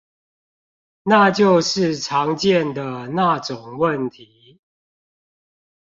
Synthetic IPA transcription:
na˥˨t͡ɕjo˥˨ʊʂɻ̩˥˨ʈ͡ʂʰɑ˨˧˦ŋt͡ɕjɛ˥˨nd̪ə˩na˥˨ʈ͡ʂʊ˨˩ŋwə˥˨nt̪ʰi˨˦

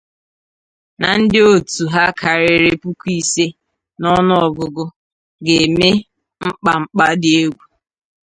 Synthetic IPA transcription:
na˨n̩˦dɪ˦o˦tu˨ɦa˦kʰa˨ɾɪ˨ɾɪ˦pu˦kʷu˦i˦se˦ | nɔ˦nʊ˦ɔ˨ɡʊ˨ɡʊ˦ | ɡe˨me˦ | ŋ͡m̩˦k͡pa˨ŋ͡m̩˦k͡pa˦dɪ˨e˦ɡʷu˨

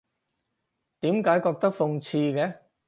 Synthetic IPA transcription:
t̪iː˨˥mkaː˨˥jkɔː˧k̚t̪ɐ˥k̚fʊ˧ŋt͡sʰiː˧kɛː˨˥

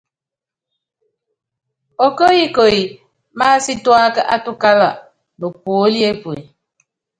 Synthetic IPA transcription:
ɔ˨ko˦ji˦ko˨i˨ | maː˦si˦twa˦kə˦ʔa˦tu˦ka˦la̰˨ | bə˨k̚o˨˦li˦e˦pwe˨

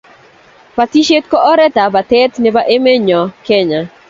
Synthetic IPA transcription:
pa˨ti˦ʃe˦tkɔ˦ʔɔ˦ɾɛ˦ta˨ba˨tɛ˦t̪nɛ˦ba˦ʔe˦me˦ɲɔ˨kɛ˦ɲa˨

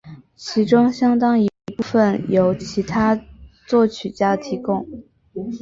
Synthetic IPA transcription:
t͡ɕʰi˧˥ʈ͡ʂʊ˥ŋɕjɑ˥ŋt̪ɑ˥ŋi˧˥pu˥˩fə˥˩njo˨˧˩ʊt͡ɕʰi˧˥t̪ʰa˥t͡swɔ˥˩t͡ɕʰy˨˩t͡ɕja˥t̪ʰi˧˥kʊ˥˩ŋ

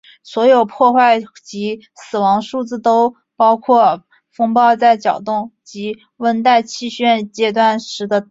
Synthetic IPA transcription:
swɔ˧˥jo˨˩ʊpʰwɔ˥˧xwa˥˩ɪt͡ɕi˧˥ | sɹ̩˨˩wɑ˧˥ŋʂu˥˩t͡sɹ̩˥˩t̪o˥ʊ | pɑ˥ʊkʰwɔ˥˩ | fɤ˥ŋpɑ˥˧ʊt͡sa˥˩ɪt͡ɕjɑ˨˩ʊt̪ʊ˥˩ŋt͡ɕi˧˥ | wə˥nt̪a˥˧ɪt͡ɕʰi˥˧ɕɥɛ˥˧nt͡ɕjɛ˥t̪wa˥˩nʂɻ̩˧˥d̪ə˧

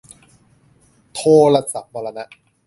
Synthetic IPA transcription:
t̪ʰoː˧la˧sa˨˩p̚ba˧la˧na˦˥ʔ

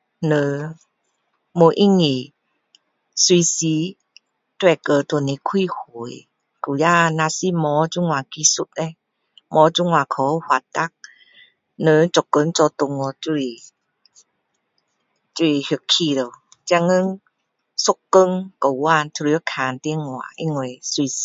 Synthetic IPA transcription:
nə˧ | mo˧˦ʔi˦˨ŋi˨˩ | swi˧si˧˦ | t̪wɛ˧˩kə˧t̪ni˧kʰwi˧˨hu˨˩˦j | ku˨˩ja˧naː˧si˧˨mɔ˨˦t͡ʃu˧˦ŋwaː˨ki˧˦su˧˦t̪̚ne˧˦ | mɔ˨˦t͡ʃu˧˨ŋwa˨kʰɔ˨˦hwa˧˨t̪a˦˨k̚ | nə˧˦t͡ʃo˨kːə˧˦ŋt͡ʃɔ˧t̪o˧ŋɔ˧t͡ʃu˧i˧ | t͡ʃu˧i˨hkʰːi˧˨də˨w | t͡ɕa˧ŋə˧˦ŋ | so˧˦kːə˧˦ŋkə˨˩wa˧˨ntʰu˧ɾi˧ə˦kʰa˨nt̪i˧ə˨ŋwa̰˨ʔi˦˧ŋe˧˩jswi˧s

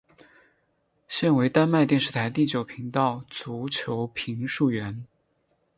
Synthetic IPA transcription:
ɕɛ˥˩nwe˧˥ɪt̪a˥nma˥˧ɪt̪jɛ˥˧nʂ̩˥˩t̪ʰa˧˥ɪt̪i˥˩t͡ɕjo˨˩ʊpʰi˧˥ŋt̪ɑ˥˩ʊt͡su˧˥t͡ɕʰjo˧˥ʊpʰi˧˥ŋʂu˥˩ɥɛ˧˥n

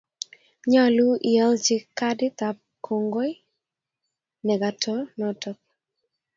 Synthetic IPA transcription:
ɲa˦lu˦ʔɪɛ˦lt͡ʃɪ˦kːa˦dɪ˦t̪a˨p̚ | kʰo˨ŋɡo˦j | nɛ˨ɡa˨tʰɔ˦nɔtɔ˦k̚

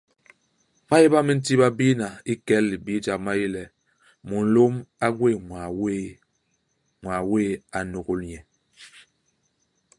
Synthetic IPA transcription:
ma˦ji˦ba˦mi˦n̩˦ti˦ba˦bi˦na˨i˦kɛ˦lːi˨bi˦d͡ʒa˨k̚ma˦ji˦lɛ˨ | mu˨n̩˦lo˦ma˦ɡwe˦˨ŋa˨we˦ | ŋwa˨we˦˨a˨no˨ɡu˦lɲɛ˨

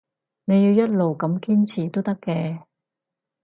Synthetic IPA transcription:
ne˨˧ji˧wjɐ˥t̚lo˨wkɐ˨˥mkiː˥nt͡sʰiː˨˩t̪o˥t̪ɐ˥kːɛː˧

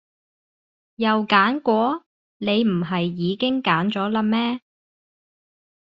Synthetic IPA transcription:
jɐ˨wkaː˨˥nkʷɔː˨˥ | ne˨˧jm̩˨˩ɦɐ˨jːiː˨˧kɪ˥ŋkaː˨˥nt͡ʃɔː˨˥la˧mɛː˥

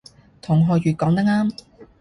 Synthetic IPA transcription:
t̪ʰʊ˨˩ŋɦɔː˨ɥyː˨t̚kɔː˨˥ŋt̪ɐ˥ŋaː˥m

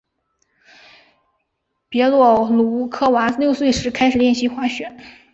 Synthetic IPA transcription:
pjɛ˧˥lwɔ˥˩lu˧˥kʰɤ˥wa˧˥ljo˥˧ʊswe˥˩ɪʂɻ̩˧˥kʰa˥ɪʂɻ̩˨˩ljɛ˥˩nɕi˧˥xwa˧˥ɕɥɛ˨˩˦n

